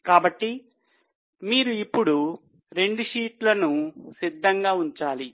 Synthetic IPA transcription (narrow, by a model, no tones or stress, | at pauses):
kaːbɐʈːi | miːɾuipːuɽu | ɾe̞ɳɖuʂiːʈlɐnusid̪ʱːɐŋɡaːuɲt͡ʃaːli